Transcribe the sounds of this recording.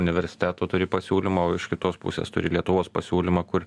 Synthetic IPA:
ʊnʲɪʋʲɛɾʲsʲɪ̥t̪ʲæːt̪oːt̪ʊɾʲɪpɐsʲuːlʲɪmɐoːɪʃkʲɪt̪oːspʊ̰sʲḛːst̪ʊ̰ɾʲɪlʲiɛt̪ʊʋoːspɐsʲuːlʲɪmɐkʊɾ

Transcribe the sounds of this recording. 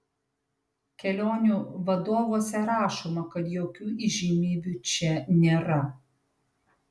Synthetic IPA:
kʲɛlʲoːnʲuːʋɐd̪oːʋoːsʲɛɾɑːʃomɐkɐt̪joːkʲuːʔiʒʲimʲiːbʲuːt͡ʃʲɛnʲeːɾɐ

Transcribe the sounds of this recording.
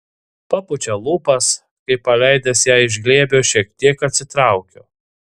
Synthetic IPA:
pɑpʊt͡ʃʲolˠuːpɐs | kɐɪpːɐlʲæˑɪd̪ʲɐsjæːɪʒʲɡlʲeːbʲoːʃʲiɛk̚t̪ʲiɛkɐt̪ʲsʲɪt̪ɾɑˑʊkʲoː

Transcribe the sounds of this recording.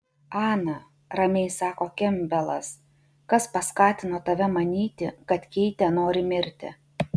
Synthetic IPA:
ɑːnɐ | ɾɐmʲɛɪsɑːkoːkʲɛmʲbʲɛlˠɐ̰s | kɐspɐskɑːt̪ʲɪnoːt̪ɐʋʲɛmɐnʲiːt̪ʲɪkɐt̪kʲɛɪt̪ʲɛnoːɾʲɪmʲɪɾʲt̪ʲɪ̰

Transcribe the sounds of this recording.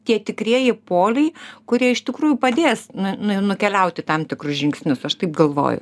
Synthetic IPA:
t̪ʲiɛt̪ʲɪkrʲiɛjɪpoːlʲɛɪkʊɾʲiɛɪʃt̪ʲɪkɾuːjʊpɐd̪ʲeːsnʊnʊnʊkʲɛlʲɛʊt̪ʲɪt̪ɐmt̪ʲɪkrʊsʒʲɪŋksʲnʲʊsɐʃt̪ɐɪpɡɐlˠʋo̰ːjʊ̰

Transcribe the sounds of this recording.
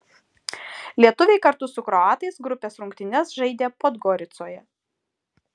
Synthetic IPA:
lʲiɛt̪ʊʋʲɛɪkɐɾt̪ʊsʊkɾɔɑːt̪ɐɪsɡɾʊpʲeːsɾʊŋʲkt̪ʲɪnʲɛsʒɐɪd̪ʲeːpod̪ɡɔɾʲɪt̪soːjɛ

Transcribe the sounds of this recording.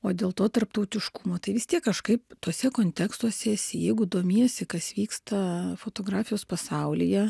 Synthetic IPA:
oːd̪ʲeːlˠt̪oːt̪ɐrpt̪ɐʊt̪ʲɪʃkʊmoːt̪ɐɪʋʲɪst̪ʲiɛkːɐʃkɐɪpt̪uɔsʲɛkoːnʲt̪ʲɛkst̪uɔsʲɛsʲɪjɛɪɡʊd̪oːmʲiːjɛsʲɪkɐsʋʲiːkst̪ɐfoːt̪oːɡɾɑːfʲɪjoːspɐsɐʊlʲɪjɛ

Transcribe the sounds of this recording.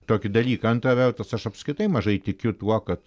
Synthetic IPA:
t̪oːkʲɪd̪ɐlʲiːkɐɐnt̪ɾɐʋʲɛrt̪ɐsɐʃɐpskɾʲɪt̪ɐɪmɐʒɐɪt̪ʲɪkʲʊt̪uɔkɐt̪

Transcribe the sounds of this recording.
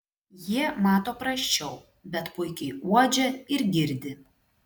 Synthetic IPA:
jiɛmɑːt̪oːpɾɐʃʲt͡ʃʲɛʊ | bʲɛt̪pʊɪkʲɛɪuɔd͡ʒʲɛɪɾɡʲɪɾʲd̪ʲɪ

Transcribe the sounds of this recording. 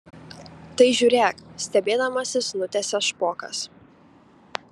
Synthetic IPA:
t̪ɐɪʒʲuːɾʲeːksʲt̪ʲɛbʲeːd̪ɐmɐsʲɪsnʊt̪ʲɛsʲɛʃpoːkɐ̰s

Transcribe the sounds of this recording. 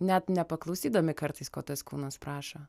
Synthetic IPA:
nʲɛt̪nʲɛpɐklˠɒʊsʲiːd̪oːmʲɪkɐɾt̪ɐɪsko̰ːt̪ɐskuːnɐspɾɑːʃo

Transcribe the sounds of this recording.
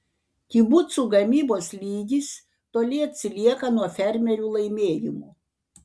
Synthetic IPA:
k̪ʲibʊt̪suːɡɐmʲiːboːslʲiːɡʲis | t̪oːlʲɪɐt̪ʲsʲɪlʲiɛkɐnuɔfʲɛɾʲmʲɛɾʲuːlˠɐɪmʲeːjɪmuː

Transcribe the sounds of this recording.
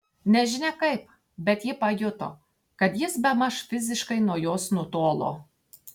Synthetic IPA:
nʲɛʒʲɪnʲɛkɐɪp | bʲɛt̪jɪpɐjʊt̪o̰ː | kɐt̪jɪsbʲɛmɐʃfʲɪzʲɪʃkɐɪnuɔjoːsnʊt̪oːlˠo̰ː

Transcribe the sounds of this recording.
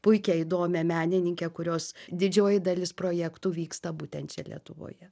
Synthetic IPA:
pʊɪkʲɛid̪oːmʲɛmʲæːnʲɪnʲɪŋʲkʲekʊɾʲoːsd̪ʲɪd͡ʒʲoːjɪd̪ɐlʲɪspɾoːjɛkt̪uːʋʲiːkst̪ɐbuːt̪ʲɛntt͡ʃʲɛlʲḭɛ̰t̪ʊʋo̰ːjɛ

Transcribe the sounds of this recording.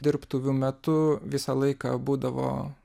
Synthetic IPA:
d̪ʲɪrpt̪uʋʲʊmʲɛt̪ʊʋʲɪsɐlˠɐɪkɑ̰buːd̪ɐʋo̰ː

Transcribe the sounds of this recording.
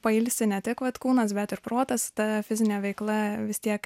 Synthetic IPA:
pɐɪlʲsʲɪnʲɛt̪ʲɪkʋɐt̪kuːnɐsbʲɛt̪ɪɾpɾoːt̪ɐst̪ɐfʲɪzʲɪnʲeːʋʲɛɪklˠɐʋʲɪst̪ʲiɛk

